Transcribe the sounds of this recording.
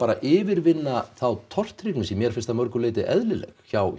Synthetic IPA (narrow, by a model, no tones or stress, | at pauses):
aːɾaʔɪːvɪɾvɪnːaθawt̪ʰɔr̥t̪ɾiknɪsimjɛɾ̥fɪn̥st̪amœɾkʏlɪːt̪ɪʔɛðlɪlɛ̰xçaw